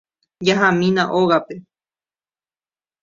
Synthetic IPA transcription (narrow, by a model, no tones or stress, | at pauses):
jaɦamĩnãʔoɣape